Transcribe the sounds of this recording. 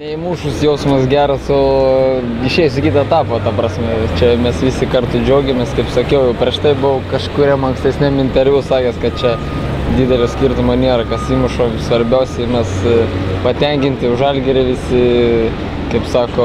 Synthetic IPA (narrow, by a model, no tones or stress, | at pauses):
nʲɛɪmuːʃʊsjɛʊsmɐsɡʲæːɾɐsoː | ɪʃʲɛɪjsʲɪkʲiːt̪ɐɛt̪ɑːpɐt̪ɐprɑːsʲmʲɛt͡ʃʲɛmʲɛsʋʲisʲɪkɐrt̪ʊd͡ʒʲoːɡʲemʲeːskɐɪpsɐkʲɛʊjɛʊpʲɾʲɛʃt̪ɐɪbʊkɐʃkʊɾʲɛmɐŋksʲt̪ʲɛsʲnʲɛmɪnʲt̪ʲɛɾʲʋʲusɑːkʲɛskɐt̪̚t͡ʃʲɛ | d̪ʲiːd̪ʲɛlʲoːsʲkʲiːrt̪ʊmoːnʲiɛɾɐkɐsʲiːmʊʃoːsʋɐɾʲbʲæʊsʲɛɪmʲɛspɐt̪ʲɛŋʲkʲɪnʲt̪ʲɪʊʒɐlʲɡʲɪɾʲɪʋʲɪsʲɪ | kɐɪpsɑːkoː